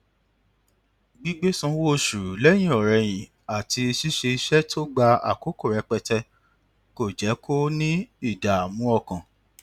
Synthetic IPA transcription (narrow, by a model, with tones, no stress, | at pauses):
ɡ͡bi˦ɡ͡be˦sũ˧˦wo˦˨ʃu˨ɾu˨lɛ˦j̃ĩ˦˨ɔ˨ɾɛ˧j̃ĩ˨ | a˨tʰi˧i˧ʃi˦ʃe˧i˧ʃɛ˦tʰo˦ɡ͡ba˧a̰˨ko˨˦ko˦˨ɾɛ˨˧˦k͡pɛ˧tɛ˧ | ko˨d͡ʒɛ˨˦kʰo˦nĩ˦i˦˨da˨mũ˨˦ɔ˧kã˨